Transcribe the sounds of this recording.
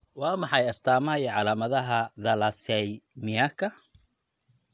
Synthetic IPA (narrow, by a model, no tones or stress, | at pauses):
wɑːmɑħɑjɐst̪ʰaːmɐjɛʕɑlaːmɐðɐɦɐðɐlɐsɛjmɪakʰɐ